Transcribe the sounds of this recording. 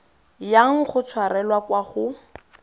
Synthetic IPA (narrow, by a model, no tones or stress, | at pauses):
jaŋ̩χʊt͡sʰwarɛlwakwaχʊ